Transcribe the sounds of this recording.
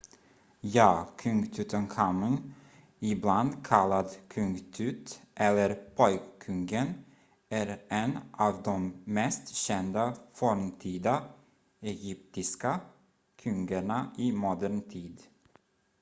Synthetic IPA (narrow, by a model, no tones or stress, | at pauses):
jɑːkʰɵŋɡt̪ʰʉːt̪ənkʰamɪŋ | ɪbland̪kʰalːad̪kʰɵŋɡt̪ʰʉːt̪ʔɛlːəɾpʰɔjkkʰːɵŋɡən | æɾɛnʔɑːvd̪ɔmːɛst̪ɕɛnd̪afɔɾmt̪ʰiːd̪a | ɛjʏp̚t̪ɪska | kʰɵŋɡəɳaʔɪmɔd̪æɾɳt̪ʰiːd̪